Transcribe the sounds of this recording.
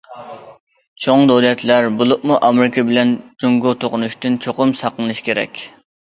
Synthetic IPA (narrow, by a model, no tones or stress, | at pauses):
t͡ʃʰoŋd̪owlɛt̪ʰlæɾbolˠʊq̚muʔɑmɪɾɪkʰɑbɪlɛnd͡ʒuŋɡot̪ʰoqʊnuʃt̪ɨnt͡ʃʰoqʊmsɑqənɨlˠɨʃkʲʰeɾɛ̰kʲ